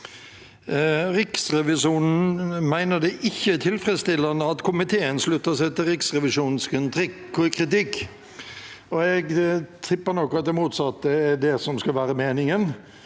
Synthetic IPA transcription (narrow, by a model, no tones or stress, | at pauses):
ɾɪksɾɛʋɪʂuːnn̩mæɪnəɖ̪ɛʔɪçːət̪ʰɪlfɾɛd̪st̪ɪlːɑnəɑt̪kʰʊmɪt̪ʰeːənslʉt̪ːəʂæɪt̪ɪlɾɪksɾɛʋɪʂuːnnskɪnt̪ʰɾɪkkʰɾɪt̪ɪkː | ɔɛɡt̪ʰɪpːənɔkːɔɑt̪̚d̪ɛmuːt̪sɑt̪̚ːəæɖɛsɔmskɑlʋæːɾəmeːnɪŋən